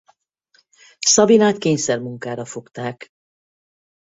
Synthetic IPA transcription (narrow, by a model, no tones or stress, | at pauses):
sɒbinaːt̪keːɲsɛrmuŋkaːɾɒfo̞kt̪aːk